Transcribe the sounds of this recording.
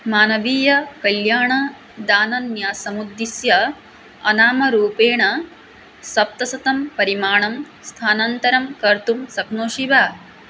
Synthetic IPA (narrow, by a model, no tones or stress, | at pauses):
maːnɐʋiːjɐkɐljaːɳɐ | d̪aːnɐnjaːsɐmud̪ːisjɐ | ɐnaːmɐɾuːpeːɳɐ | sɐp̚t̪ɐsɐt̪ɐmpɐɾimaːɳɐm | st̪ʰaːnɐnt̪ɐɾɐmkɐɾt̪umsɐknoːʃiʋaː